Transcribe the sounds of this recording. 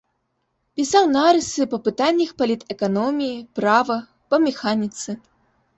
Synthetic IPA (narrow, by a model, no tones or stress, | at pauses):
pʲisawnaɾɨsɨpɐpɨt̪anʲːɐxpɐlʲit̪ɛkanɔmʲijipɾavɐ | pɐmʲɛxanʲit̪sɨ